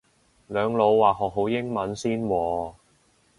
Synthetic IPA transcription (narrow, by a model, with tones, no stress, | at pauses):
lœː˨˧ŋlo˨˧wːaː˨˩ɦɔː˨k̚ɦo˨˥wjɪ˥ŋmɐ˨˥nsiː˥nwɔː˨˧